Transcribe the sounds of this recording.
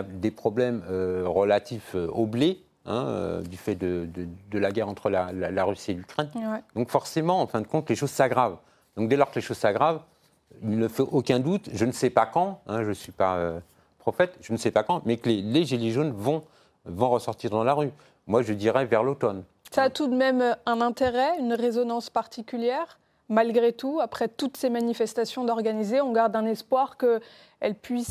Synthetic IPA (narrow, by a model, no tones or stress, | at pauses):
ad̪epχɔblɛmøʁəlat̪ʰiføoble | ɛ̰̃ø̰d̪yfɛd̪əd̪əd̪əlaɡʲɛʁɑ̃t̪χəlalalaʁysielykχɛnd̪ɔ̃kfɔʁsemɑ̃ɑ̃fɛ̃d̪əkɔ̃t̪leʃozsaɡʁav | d̪̥ɔ̃k̚d̪elɔʁkəleʃoz̥saɡʁav | ilnəfɛʔokʲɛ̃d̪ut̪ʒənəsɛpakɑ̃ɛ̃ʒəsɥipaø | pχɔfɛt̪ʒ̥ənəsɛpakɑ̃mɛkəleleʒileʒonvɔ̃ | vɔ̃ʁəsɔʁt̪iʁd̪ɑ̃laʁy | mwaʒəd̪iʁɛvɛʁlot̪ɔn | saːt̪ud̪mɛmɛ̃nɛ̃t̪eʁɛynʁezɔnɑ̃spaʁt̪ikʲyljɛʁ | malɡʁet̪uapχɛt̪ut̪semanifɛst̪asjɔ̃d̪ɔʁɡanizeɔ̃ɡaʁd̪ɛ̃nɛspwaʁkə | ɛlpɥis